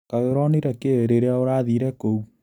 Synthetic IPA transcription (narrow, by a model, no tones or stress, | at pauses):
kaɣeɾɔniɾɛkeeɾeɾaoɾaðiɾɛkou